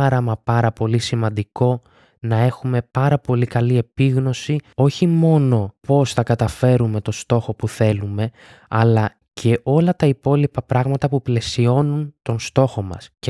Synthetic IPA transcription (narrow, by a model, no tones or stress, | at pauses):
ɐɾɐmɐpɐɾɐpo̞lisimɐnd̪iko̞ | nɐe̞xume̞pɐɾɐpo̞likɐlie̞piɣno̞sio̞çimo̞no̞po̞sθɐkɐt̪ɐfe̞ɾume̞t̪o̞st̪o̞xo̞puθe̞lume̞ | ɐlɐ | cʰe̞ʔo̞lɐt̪ɐipo̞lipɐpɾɐɣmɐt̪ɐpuple̞sio̞nunt̪o̞nst̪o̞xo̞mɐ̰sc